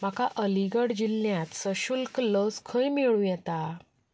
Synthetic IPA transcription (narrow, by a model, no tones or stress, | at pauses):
m̤akaʔəliɡəɽd͡ʑilːjãt̪səɕulkləskʰəjmeɭũjɛt̪a